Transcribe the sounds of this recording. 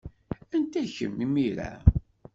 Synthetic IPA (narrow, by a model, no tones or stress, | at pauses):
ænt̪æçə̰mːimiɾæ̰